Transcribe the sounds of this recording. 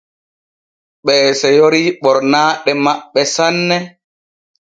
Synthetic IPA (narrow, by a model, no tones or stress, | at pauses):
ɓɛːsɛjoɾiɓɔɾnaːɗɛmaɓːɛsanːɛ